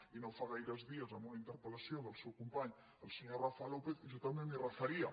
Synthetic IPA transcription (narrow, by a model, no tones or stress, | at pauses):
inõwfaɣaiɾɐzðiɐzamuŋɐint̪əɾpəlasjoðəlˠsewkumpaɲ | əlsəɲorafalopeθʒot̪amẽŋmirəθɐɾiɐ